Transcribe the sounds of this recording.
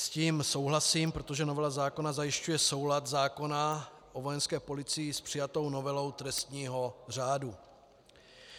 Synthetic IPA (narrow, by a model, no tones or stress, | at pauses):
sciːmso̞wɦlasiːmpɾot̪o̞ʒɛno̞vɛlazaːko̞nazajɪʃcujɛso̞wlat̪zaːko̞na | ʔovo̞jɛnskɛːpo̞lɪt͡sɪjɪspr̝̥ɪjat̪o̞wno̞vɛlo̞wt̪ɾɛst̪ɲiːɦo̞r̝aːdu